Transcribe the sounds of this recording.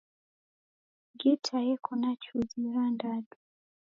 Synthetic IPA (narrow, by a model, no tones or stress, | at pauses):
ɡetʰajɛkʰɔnat͡ʃuziɾandadu